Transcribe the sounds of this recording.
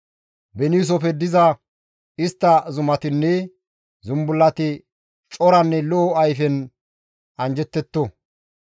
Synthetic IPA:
bɛniːs̬ɔfɛd̪ɪzɐ | ɪst̪ːɐzʊmɐt̪ɪnːɛ | zʊmbʊlːɐt̪ɪ | t͡ʃʼɔɾɐnːɛlɔʔːɐjfɛn | ɐnd͡ʒɛt̪ːɛt̪ːɔ

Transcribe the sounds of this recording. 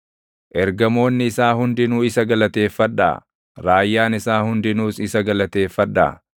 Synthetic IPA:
ʔɛɾɡɐmo̞ːnːɪːsaːhʊnd̪ɪnuːɪsɐɡɐlɐt̪e̞ːfːɐᶑːa̰ː | ɾaːjːaːnɪsaːhʊnd̪ɪnuːsɪsɐɡɐlɐt̪e̞ːfːɐᶑːa̰ː

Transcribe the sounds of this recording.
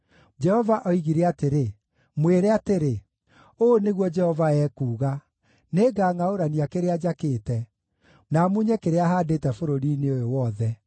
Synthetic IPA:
d͡ʒɛhɔvaʔɔiɣiɾɛateɾe | mweɾɛateɾe | oːneɣwɔd͡ʒɛhɔvaɛːkuːɣa | neːɡaːŋaoɾaniakeɾead͡ʑakeːtɛ | namuɲɛkeɾeaɦaːndetɛfoɾoɾiːneojowɔðɛ

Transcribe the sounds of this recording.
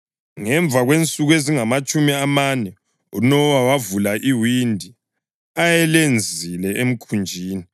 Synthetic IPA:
ŋɛɱb̪vʱaɣwent͡sʼuɣweziŋamat͡ʃʼumiamanɛ | unɔwawavulaʔiwindʱi | ajɛlend͡zʱilɛem̩kʰund͡ʒʱiːni

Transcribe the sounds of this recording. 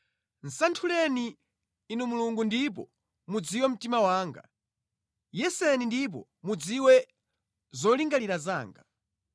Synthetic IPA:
n̩santʰulɛniː | numuluŋɡundip̬ɔ | mud͡ziwɛm̩timawaːŋɡa̰ | jɛsɛnindip̬ɔ | mud͡ziwɛ | zɔliŋɡaliɾaza̰ːŋɡa

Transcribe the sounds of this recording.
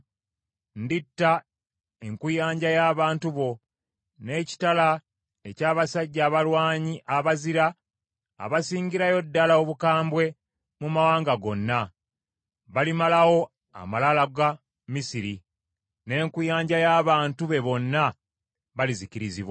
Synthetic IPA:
nditːa | e̞ŋkujaːɲɟajaːβaːntuβo̞ | ne̞ːci̥tala | e̞caːβasaɟːaːβalwaːɲiʔaβaziɾa̰ː | βasiːŋɡiɾajo̞dːalaoβukaːmbwe̞ | mumawaːŋɡaɡo̞nːa | βalimalawo̞ | a̰malalaɡa | misiɾi | ne̞ːŋkujaːɲɟajaːβaːntuβe̞βo̞nːa | βaliziciɾizḭβwa

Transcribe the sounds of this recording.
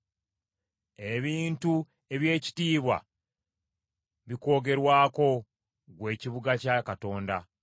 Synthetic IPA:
e̞βiːntu | e̞βje̞ːci̥tiːβwa̰ | βiko̞ːɡe̞ɾwaːko̞ | ɡwe̞ːciβuɡacakato̞ːnda

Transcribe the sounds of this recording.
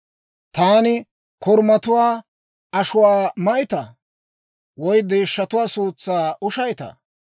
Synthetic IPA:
t̪aːnɪ | kɔɾmɐt̪ʊwaː | ɐʃʊwaːmɐjɪt̪ɐ | wɔjd̪e̞ːʃːɐt̪ʊwaːsuːt͡sːaːʔʊʃɐjt̪ɐ̰

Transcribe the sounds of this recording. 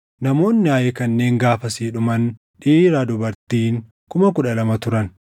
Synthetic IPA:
nɐmo̞ːnːɪaːjɛkɐnːe̞ːŋɡaːfɐsiːᶑʊmɐn | ᶑiːɾaːd̪ʊbɐɾt̪iːŋ | kʊmɐkʊᶑɐlɐmɐt̪ʊɾɐn

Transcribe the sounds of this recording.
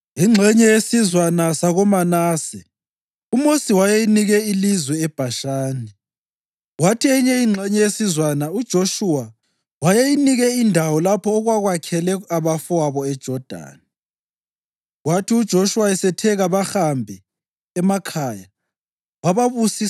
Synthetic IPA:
iŋ͡ǁʱɛɲɛjesizwanasaɣɔmanaːsɛ | umosiwajejiniɣɛilizwɛːb̥ʱaʃaːnɛ | watʰiɛɲɛiŋ͡ǁʱɛɲɛjesizwanaud̥ʒ̥ʱoʃuwa | wajejiniɣɛindʱawɔlapʰɔːɣwaɣwakʰɛlɛaβafɔwaβɔɛd̥ʒ̥ʱɔd̥ʱa̰ːni | ɣwatʰiud̥ʒ̥ʱoʃuwaɛsɛtʰɛɣaβaxambʱɛː | makʰaːja | waβaβusi

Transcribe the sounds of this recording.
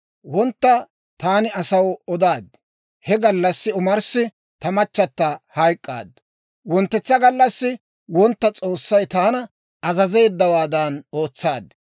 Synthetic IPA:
wɔnt̪ːɐ | t̪aːnɪɐsɐwɔd̪aːd̪ːɛ̥ | hɛɡɐlːɐsːɪʊmɐɾsɪ | t̪ɐmɐt͡ʃːɐt̪ːɐhɐjkʼːa̰ːd̪ | wɔnt̪ːɛt͡sːɐɡɐlːɐsːɪ | wɔnt̪ːɐt͡sʼo̞ːsːɐjt̪aːnɐ | ɐzɐze̞ːd̪ːɐwaːd̪ɐno̞ːt͡sːaːd̪ːɛ̥

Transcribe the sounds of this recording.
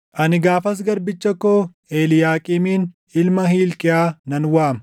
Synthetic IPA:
ʔɐnɪɡaːfɐs̬ɡɐɾbɪt͡ʃːɐkːoː | eːlɪjaːkʼɪmiːn | ɪlmɐhiːlkʼɪjaːnɐnwaːmɐ

